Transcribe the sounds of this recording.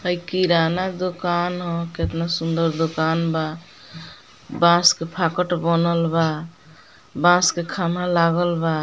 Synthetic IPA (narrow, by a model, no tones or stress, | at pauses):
əjkiɾanad̪okanɦɔ̃ket̪nasund̪əɾd̪okanba | bãskepʰakəʈbənəlba | bãskekʰamalaɡəlba